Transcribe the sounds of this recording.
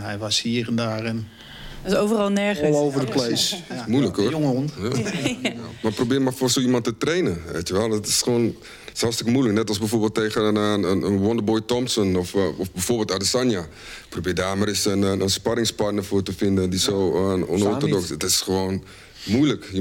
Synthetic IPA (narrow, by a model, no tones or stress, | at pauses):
ɦɛjʋashiːərɛndaːrɛn | əsoːvərɑlˠnɛɹəlˠowvərdəklesmuləkooŋəonja | maprobiːrmafosoːimɑntətreːnəʋḛːtjəʋɛlˠdɔtɪ̥sχʋoːn | shɑlˠfstɪkəmuələknɛtɔlˠsbɛjfoːrbeːlˠtːeːɣənənənwɔndəbojtɔmsənɔfɔfbɛjfoːrbeːlˠtadəsanja | probiːrdaːmarɪsənənspaɾɪŋsparnəfoːtəfɪndədisoːəɔ̰nɔrtodɔksətɪsχəʋoːn | mujlək